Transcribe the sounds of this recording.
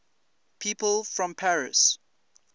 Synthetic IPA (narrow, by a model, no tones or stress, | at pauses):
pʰiːpəlˠfɹɔ̃mpʰaɹɪs